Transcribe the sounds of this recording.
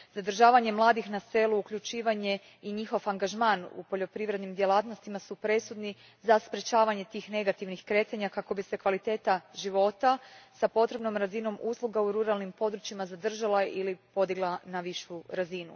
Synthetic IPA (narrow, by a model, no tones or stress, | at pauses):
z̥ad̪r̩ʒaːʋaɲe̞mlˠaːd̪ixnase̞luːkʎut͡ʃiːʋaɲe̞ | iɲixo̞faŋɡaʒmaːnṵpo̞ʎo̞pɾiʋɾe̞d̪nimd̪je̞laːt̪nost̪imasupɾe̞sud̪ni | zaspɾe̞t͡ʃaːʋaɲe̞t̪iːxne̞ɡat̪iʋnixkɾe̞t̪aɲakako̞bise̞kʋalit̪e̞ːt̪aʒiʋo̞t̪asapo̞t̪ɾe̞bno̞mɾazino̞muslˠuɡauɾuɾalˠnimpo̞d̪ɾut͡ʃimazad̪r̩ʒalˠailipo̞d̪iɡlˠanaʋiʃuɾazinṵ